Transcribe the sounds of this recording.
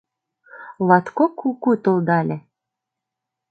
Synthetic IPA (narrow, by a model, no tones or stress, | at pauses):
lɑt̪kokʰːukut̪old̪ɑlʲe